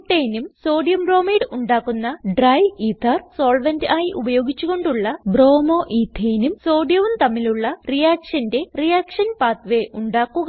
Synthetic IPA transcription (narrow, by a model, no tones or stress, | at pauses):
ʈːeːjnumso̞ːɖijɐmbro̞ːmiːɖuɳɖaːkːunːɐɖrɐjiːt̪ʰːɐrso̞ːɭʋɐndɨaːjiʔubɐjo̞ːɡit͡ɕːuɣo̞ɳɖuɭːɐbro̞ːmo̞ːʔiːt̪ʰːeːnumso̞ːɖjɐʋumt̪ɐmːiluɭːɐrijaːkʂɐnde̞rijaːkʂɐnpaːt̪ʋe̞ʔuɳɖaːkːuɣɐ